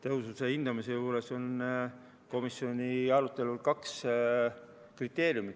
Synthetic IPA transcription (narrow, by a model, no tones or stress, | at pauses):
t̪e̞ɦususe̞hind̪̥ɑmise̞juːɾe̞so̞n | ko̞misːjo̞nʲiɑɾut̪ːˑe̞lulkɑks | krit̪ːˑe̞ːɾjumi